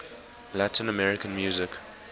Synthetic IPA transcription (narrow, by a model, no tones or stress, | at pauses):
latʰɪ̃nəmɛɹɪkə̃nmjuːzɪk